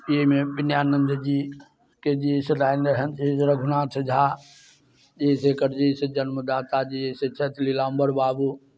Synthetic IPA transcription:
eɦmebinjaːnːənd͡ʒ̪əd͡ʒi | ked͡ʒiseɾajnəɦənt̪ʰesɾəɡʱunãt͡ʃʰəd͡ʒʱa | d͡ʒesekəɾd͡ʒised͡ʒənməd̪aːt̪ad͡ʒieset͡ʃʰɛt̪ʰlilambəɾbaːbu

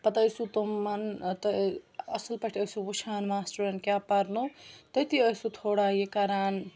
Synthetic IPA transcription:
pɐt̪əjsut̪omːɐnt̪ɐɐsɐlpɐʈʰəjsubuʃʰaːnmaːsʈuɾɐnkjaːpɐɾnut̪ɐjt̪ʰiəjsut̪ʰoːɽaːjekaɾaːn

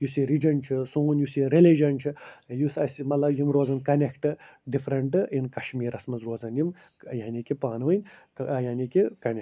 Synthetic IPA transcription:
jusiɾid͡ʒɐnt͡ʃʰisuːnjusiɾelid͡ʒɐnt͡ʃʰijusɐsimɐt̪lɐbjimɾoːzɐnkɐnekʈɨɖifʰɾɐɳʈɨinkɐʃmiːɾɐsmɐzɾoːzɐnjim | jaːnikipaːnʋɨnʲ | jaːnʲikikɐne

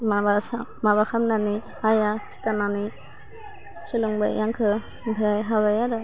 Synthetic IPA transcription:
mabasamabakʰamnani | ajḁsi̥tanani | siluŋba̰jjaŋkʰɯ | dʱɾajɦaβajadɯ

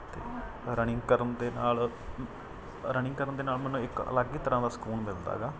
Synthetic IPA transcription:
t̪ḛː | ɾəɳɪ̃ŋɡkəɾənd̪eːnaːl | ɾəɳɪ̃ŋɡkəɾənd̪eːnaːlmɛ̃ːnũːɪkə̰ləɡiːt̪əɾãːd̪aːsə̥kuːlmɪld̪a̰ːɡaː

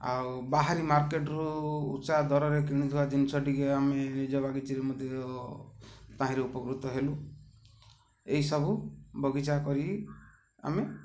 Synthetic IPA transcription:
a̰w | baɦaɾimaɾkeʈɔɾṵːtːsad̪ʱɔɾɔɾek̬iɽ̃it̪ʰiwad͡ʒinisɔʈikeamenid͡ʒɔbaɡitiɾemɔd̪ʱjɔ | t̪aɦĩɾeupɔkɾut̪ɔɦelu | eɦisɔbubɔɡit͡ʃakɔɾi | a̰me

